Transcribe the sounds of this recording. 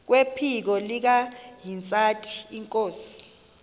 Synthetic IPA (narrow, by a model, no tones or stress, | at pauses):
k̬wepʰik̬ɔlik̬aɦint͡sʼatʰi̥ːŋkʼoːsi̥